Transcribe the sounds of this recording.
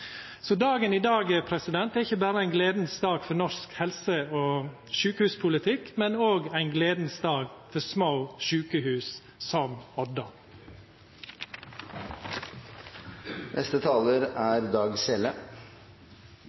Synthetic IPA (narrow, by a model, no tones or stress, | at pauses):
sɔd̪ɑːɡəniːd̪ɑːɡɛpʰɾɛsɪd̪ɛnt̪ɛæɾɪçəbæːɾəæɪnɡleːd̪n̩sd̪ɑːɡfɔɾnɔskhɛlsəoː | ʃʉːkəhʉːspʰʊlət̪ʰɪkmɛnoːɡæɪnɡleːd̪n̩sd̪ɑːɡfɔɾsmaʊʃʉːkəhʉːs | sɔmɔd̪ɑ | nʔɛ̰st̪ət̪ʰɑːləɾæɾd̪ɑːɡsɛlə